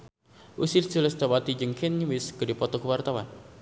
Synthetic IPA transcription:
ʔusɪlsulɛsd̪awat̪id͡ʒəŋkʰɛnɲuwɪsɡədipɔt̪ɔkəwart̪awan

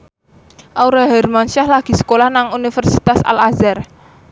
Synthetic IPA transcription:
ʔauɾaɦɛrmanʃahlaɡ̥i̤sə̥kolahnaŋunifərsit̪asa̰lazar

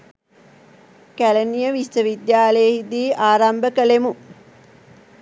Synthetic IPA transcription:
kælənijəʋistəʋid̪jaːləjehid̪iːʔaːɾambəkəlemu

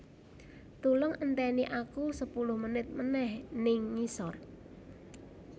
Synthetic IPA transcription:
t̪ulʊŋʔənt̪ɛniʔakusəpulʊhmənɪt̪̚mənɛhnɪŋːisɔr

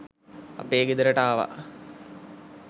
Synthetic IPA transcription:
a̰peːɡid̪əɾəʈaːʋa̰

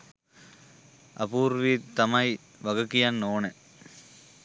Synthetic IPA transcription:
ɐ̰puːɾʋiːt̪ɐmɐj | ʋɐɣɐkːijanːoːnɛ

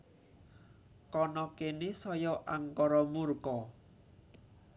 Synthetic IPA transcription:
kɔnɔkenesɔjɔʔaŋkɔɾɔmurkɔ

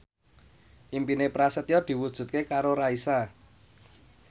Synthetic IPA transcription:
ʔimpinepɾasət̪jɔd̪̥i̤wud̥ʒ̥ṳt̪̚kekaɾoɾaisa

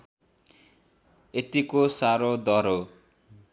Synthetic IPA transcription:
et̪ikosaɾod̪ʌɾo

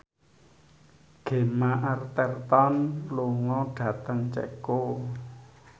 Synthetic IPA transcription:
ɡ̥e̤maʔart̪ɛrt̪ɔnloŋɔɖ̥ä̤t̪əŋt͡ʃɛ̰ko

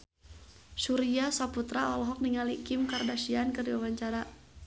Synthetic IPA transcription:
suɾiasaput̪ɾaɔlɔɦɔk̚niŋalikɪmkardaʃiankərdiwawaɲt͡ʃaɾa

